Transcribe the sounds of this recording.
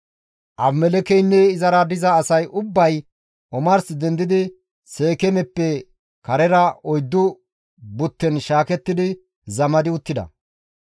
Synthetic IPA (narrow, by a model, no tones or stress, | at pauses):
ʔɐbmɛlɛkɛjnːɛɪzɐɾɐd̪ɪzɐːsɐjʔʊbːɐj | ɔmɐɾsɪd̪ɛnd̪ɪd̪ɪ | se̞ːkɛmɛpːɛ | kɐɾɛɾɐɔjd̪ːʊ | bʊt̪ːɛnʃaːkɛt̪ːɪd̪ɪ | zɐmɐd̪ɪʊt̪ːɪd̪ɐ̰